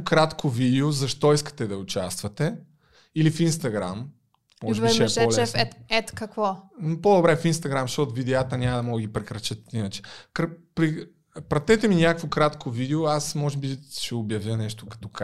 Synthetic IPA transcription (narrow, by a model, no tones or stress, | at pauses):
kɾat̪kʰovid̪ɛozɐʃt̪ɔiskə̥t̪ɛd̪ɐʊt͡ʃast̪vɐt̪ɛ | ilifinst̪ɐɡɾa̰m | mɔʒvɛʃɛɛɔlɛɛɛt̪kɐkvɔnpod̪obɾɛfinst̪ɐɡɾamʃt̪ɔt̪ʊvid̪ɛat̪ənʲamɐd̪ɐmɔɡɡipɾɛkɾɐt͡ʃət̪inɐt͡ʃɛ̥kɾpɾi | pɾɐt̪ɛt̪ɛminʲakəkvokɾat̪kʰovid̪ɛoasmɔʒɛbiʃɛobjɐvʲjənɛʃt̪o̥kɐ̥t̪ɔk